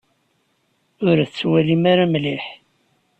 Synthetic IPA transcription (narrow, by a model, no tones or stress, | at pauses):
ʊɾθt͡sːwælimaɾamliħ